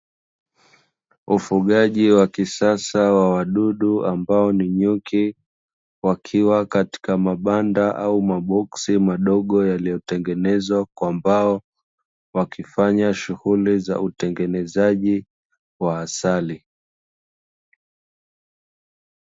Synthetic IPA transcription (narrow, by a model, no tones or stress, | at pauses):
ufuɠaʄiwakisasawawaɗuɗuambaɔniɲukʰi | wakʰiwakati̥kamaɓandaʔaumaɓɔksimaɗɔɠɔjalijɔtɛŋɡɛnɛzwakwambaɔ | wakʰifaɲaʃuhuliza̰utɛŋɡɛnɛzaʄi | waːsali